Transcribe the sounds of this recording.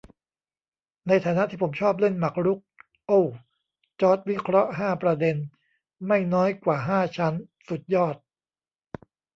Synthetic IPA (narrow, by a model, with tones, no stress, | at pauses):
na˧jt̪ʰaː˩˦na˦˥ʔt̪ʰiː˥˩o˩˦mt͡ɕʰɔː˥˩p̬̚le˥˩nma˨˩k̚ɾu˦˥k̚ | ʔo˥˩ | t͡ɕɔː˦˥t̪̚wi˦˥kʰɾɔ˦˥ʔɦaː˥˩pɾa˧de˧n | ma˥˩jnɔː˦˥jkwaː˨˩ɦaː˥˩t͡ɕʰa˦˥nsu˨˩t̪̚jɔː˥˩t̪̚